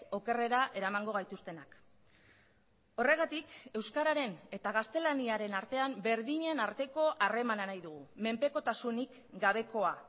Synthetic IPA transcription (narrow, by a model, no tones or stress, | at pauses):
o̞ke̞re̞ɾaʔe̞ɾamaŋɡo̞ɣ̞ajt̪ust̪e̞nak | o̞re̞ɣ̞at̪ike̞wskaɾaɾe̞ne̞t̪aɣ̞ast̪e̞laniaɾe̞naɾt̪e̞ambe̞ɾðiɲe̞naɾt̪e̞ko̞ʔare̞mananajðuɣume̞mpe̞ko̞t̪asunik | ɡaβ̞e̞ko̞a